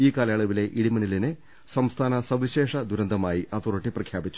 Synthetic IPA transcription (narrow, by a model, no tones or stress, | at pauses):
iːkaːlɐjaːɭuʋile̞ʔiɽimɐɳilinɨ | sɐmst̪ʰaːnɐsɐʋiɕe̞ːʂɐd̪ʱuɾɐnd̪ʱɐmaːjiʔɐt̪urɐʈːiprɐkʰjaːbit͡ɕːu̥